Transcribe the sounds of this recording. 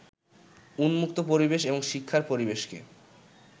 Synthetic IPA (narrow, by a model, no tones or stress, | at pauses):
unmukt̪opoɾibeʃeboŋʃikʰːaɾpoɾibeʃkḛ